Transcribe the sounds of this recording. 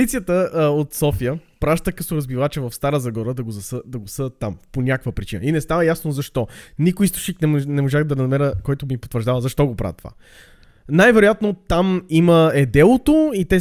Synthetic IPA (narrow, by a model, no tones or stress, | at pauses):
it̪sijət̪əot̪sɔfijəpɾaʃt̪əkəsoɾəzbivat͡ʃɛvɐfst̪aɾəzɐɡɔɾəd̪ɐɡozɐsəd̪ɐɡosəd̪ət̪ːamponʲakkvəpɾʲit͡ʃinə̰inɛst̪avəjasnozɐʃt̪ɔnikoist̪ʊ̥ʃniknɛnɛmoʒaxd̪ɐɾɐzɐmɛɾəkɔjt̪omipot̪vəɾʒd̪avəzɐʃt̪ɔɡopɾa̰ət̪ova̰ | najvɛɾojat̪not̪amiməɛd̪ɛlˠot̪oit̪ɛ